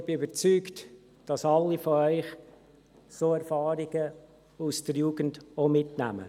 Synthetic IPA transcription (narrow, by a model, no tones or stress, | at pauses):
b̥ɪybəɾt͡syːkt | d̥ɑsɑlːifoœʏχ | soːɛɾfɑːɾɪɡ̥ə | usd̥əɾjuːɡ̥ən̩domɪtnæ̰mə̰